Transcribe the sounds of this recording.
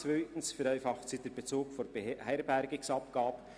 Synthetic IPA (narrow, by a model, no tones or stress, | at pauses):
vœʏtn̩sfɛɾæɪfɑχtsid̥eɾb̥et͡soːkfoɾb̥ehæɪɾbɛɾɡɪsɑp̚ɡ̥ɑːb